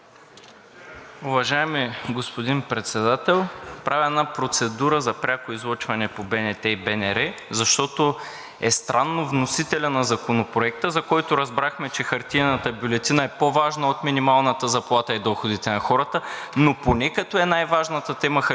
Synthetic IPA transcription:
ʊvɐʒaɛmiɡospod̪inpɾɛt̪sɛd̪at̪ɛlˠpɾavʲɛnapɾot̪sɛd̪uɾəzɐpɾʲakoizlˠɔt͡ʃvɐnɛpobɛnɛt̪ɛibɛnɛɾɛzɐʃt̪ɔt̪o | ɛst̪ɾʔanːovnosit̪ɛlʲɐnɐzɐkonopɾoɛk̚t̪əzɐkɔjt̪ʊɾɐzbɾaxmɛt͡ʃɛxɐɾt̪iɛnət̪əbʲjulɛt̪inəɛpovaʒnɐot̪minimalˠnət̪əzɐplˠat̪əid̪ɔxod̪it̪ɛnɐxɔɾət̪ə | noponɛkɐt̪ɔɛnajvaʒnət̪ət̪ɛməx

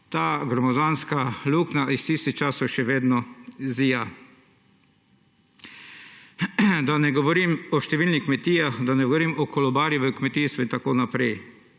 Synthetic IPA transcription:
t̪aːɡɾɔmɔzaːnskaluknaʔist̪ist̪ixt͡ʃaːsɔwʃɛʋeːd̪nɔziːja | d̪anɛɡɔʋɔɾimɔʃt̪ɛʋiːlnikmɛt̪iːaxd̪anɛɡoɔʋɔɾiːmɔkʰɔlɔbaːɾjɛʋɛkmɛt̪iːst̪ʋɔint̪akoːnapɾɛj

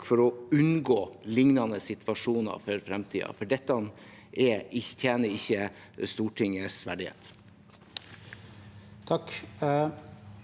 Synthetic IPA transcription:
fɔɾɔʉnɡoːlɪŋnɑnəsɪt̪ʰʋɑʂuːnɑ̰fɔɾfɾɛmt̪ʰḭːɑ̰fɔɖɛt̪ːn | ʔɛɪt̪ʰjæːnəɪçːə | st̪uːʈʰɪŋəsʋæ̰ɖɪhḛːt̪ | t̪ʰɑk

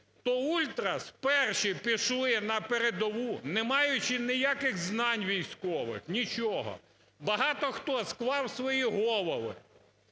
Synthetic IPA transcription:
t̪ɔulʲt̪ɾɐspɛrʃipʲiʃlˠɪnɐpeɾed̪ɔʋunɛmɑjʊt͡ʃɪnɪjakɪɣznɑnʲʋʲijsʲkɔʋɪ̰xnʲit͡ʃɔɦɔ̰ | bɐɦɑt̪ɔxt̪ɔskʋɑwsʋɔjiɦɔlˠɔʋɪ̰

